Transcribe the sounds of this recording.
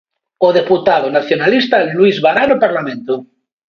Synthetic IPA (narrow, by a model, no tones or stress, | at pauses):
oðeput̪aðonaθjonalist̪alwizβaɾanopaɾlamẽnt̪o